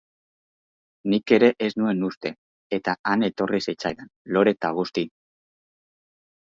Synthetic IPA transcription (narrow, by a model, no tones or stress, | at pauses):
nike̞ɾe̞ʔeznue̞nust̪e̞ | et̪aane̞t̪o̞risit͡sajɾanlo̞ɾe̞t̪aɣ̞ust̪i